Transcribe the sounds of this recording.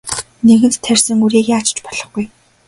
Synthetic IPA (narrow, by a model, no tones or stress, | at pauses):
neɣɘ̆nt̪t̪ʰːærʲsɘ̆ŋuɾiːkjaːt͡ɕ̆t͡ɕpɔ̥ɮɞ̆χɡuj